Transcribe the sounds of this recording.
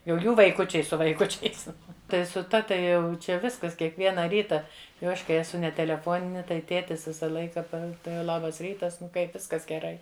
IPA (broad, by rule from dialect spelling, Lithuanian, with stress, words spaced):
jɛʊ ˈjuː ʋɐɪˈkʊt͡ʃʲɛɪ sʊ ʋɐɪˈkʊt͡ʃʲɛɪs ˈtɐɪ sʊ ˈtɐ tɐɪ ˈjɛʊ ˈt͡ʃʲɛ ˈʋʲɪskɐs kʲiɛkˈʋʲiɛnɐ ˈrʲiːtɐ jɛʊ ˈɐʃ kɐɪ ɛˈsʊ nʲɛ tʲɛlʲɛˈfoːnʲɪnʲɪ tɐɪ ˈtʲeːtʲɪs ˈʋʲɪsɐ ˈlˠɐɪkɐ ˈpɐ tɐɪ ˈlˠɑːbɐs ˈrʲiːtɐs ˈnʊ ˈkɐɪp ˈʋʲɪskɐs ɡʲɛˈrɐɪ